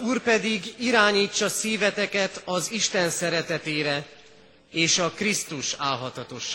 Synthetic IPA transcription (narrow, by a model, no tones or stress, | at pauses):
uːrpɛd̪iɡiɾaːɲiːt͡ʃːɒsiːvɛt̪ɛkɛt̪ɒziʃt̪ɛnsɛɾɛt̪ɛt̪eːɾɛ | eːʃɒkrist̪uʃaːlɦɒt̪ɒt̪o̞ʃːa